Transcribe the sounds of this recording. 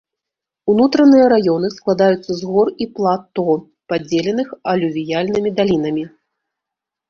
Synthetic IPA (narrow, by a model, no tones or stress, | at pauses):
unut̪ɾɐnɨjɐɾajɔnɨsklˠad̪ajut̪sːɐzɣɔriplˠat̪ːɔ | pad͡zʲːɛlʲɛn̪ɨxɐlʲuvʲijalʲnɨmʲid̪alʲinɐmʲi